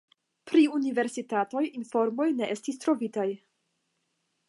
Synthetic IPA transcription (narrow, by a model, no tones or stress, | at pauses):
pɾiunive̞ɾsitato̞jinfo̞ɾmo̞jne̞ʔe̞stistɾo̞vitaj